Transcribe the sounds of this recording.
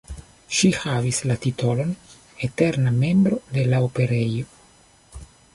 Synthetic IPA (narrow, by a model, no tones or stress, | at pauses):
ʃihavislatito̞lo̞n | ete̞ɾname̞mbɾo̞de̞laope̞ɾejo̞